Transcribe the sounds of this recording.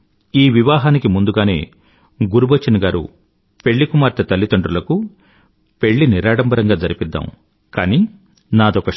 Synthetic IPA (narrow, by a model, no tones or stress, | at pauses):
iːʋiʋaːɦaːnikimund̪uɡaːne̞̰ː | ɡuɾubɐt͡ʃːɐnɐɡaːɾṵ | pe̞ɭːikumaːɾt̪ɐt̪ɐlːit̪ɐɳɖɾulɐku | pe̞ɭːiniɾaːɽɐmbɐɾɐŋɡaːd͡ʒɐɾipid̪ːa̰m | kaːniː | naːd̪ɔkɐ